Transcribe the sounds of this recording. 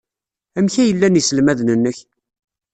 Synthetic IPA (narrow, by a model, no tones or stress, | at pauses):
æmçæjəlːænisəlmæðnənːəç